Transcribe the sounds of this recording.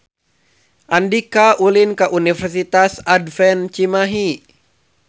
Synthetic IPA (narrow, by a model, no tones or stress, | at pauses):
ʔandikaʔulinkaʔunifɛrsit̪asadfɛnt͡ʃimaɦi